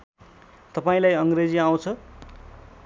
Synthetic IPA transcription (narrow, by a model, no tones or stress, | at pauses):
t̪ʌpaĩlajʌŋɡred͡ziaw̃t͡sʰʌ